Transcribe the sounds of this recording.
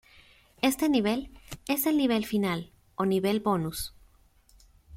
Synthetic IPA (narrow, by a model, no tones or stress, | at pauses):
e̞st̪e̞niβ̞e̞le̞se̞lniβ̞e̞lfinal | o̞niβe̞lbo̞nus